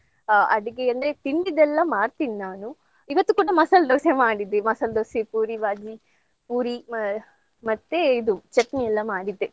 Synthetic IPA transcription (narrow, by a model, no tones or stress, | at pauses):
ɐ̰ɽiɡeɐnd̪ɾet̪iɳɖid̪ɛlːɐmaːɽt̪innaːnu | iʋɐt̪ːukuːɽɐmɐsɐld̪oːsemaːɽid̪ːemɐsɐld̪oːsepuːɾiʋaːd͡ʒi | puːɾi | mɐt̪ːeid̪ut͡ʃɐʈniɛlːɐmaːɽid̪ːe